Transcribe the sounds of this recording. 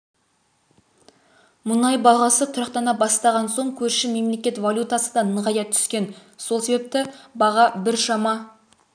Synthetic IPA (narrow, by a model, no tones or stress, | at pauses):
mʊnɑjbɑʁɑsət̪ʰʊɾɑqt̪ɑnɑbɑst̪ɑʁɑnso̞ɴkʲʰɵɾʃɪme̞mle̞kʲe̞t̪valʲˠut̪asəd̪ɑnəʁɑjɑt̪ʰʏ̥skʲe̞nsolˠse̞be̞p̚t̪ɪbɑʁɑbɪɾʃɑmɑ